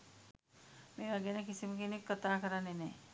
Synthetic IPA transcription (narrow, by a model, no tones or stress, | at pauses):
meːʋaɡenəkisiməkinekːət̪aːkəɾanːeneː